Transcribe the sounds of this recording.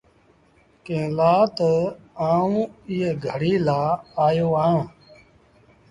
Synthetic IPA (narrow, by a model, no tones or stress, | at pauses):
kẽːlaːt̪əaːũːiːeːɡʱəɽiːlaːaːjoːãː